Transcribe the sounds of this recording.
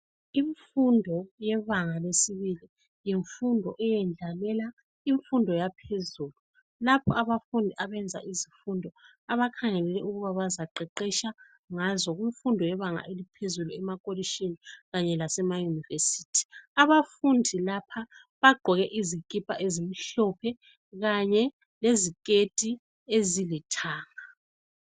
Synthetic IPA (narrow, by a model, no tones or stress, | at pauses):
iɱfundʱɔjɛβaŋalesiβili | jiɱfundʱɔʔɛjɛnd͡ɮʱalɛla | iɱfundʱɔjapʰezulu | lapʰɔaβafundʱiʔaβɛnd͡zʱa̰ʔizifundʱɔ | aβakʰaŋɛlɛlɛuɣuβaβazaǃɛǃiʃa | ŋazɔɣiɱfundʱɔjɛβaŋa̰ʔelipʰezuluɛmakʼoliʃiniɣaɲɛlasɛmajunivesi̥ːtʰi̥aβafundʱilapʰa | βaɡ͡ǃʱɔɣɛʔizikʼipʼa̰ʔezimiɬɔpʰɛ | ɣaɲɛ | lezikʼetʼi | ezilitʰaːŋa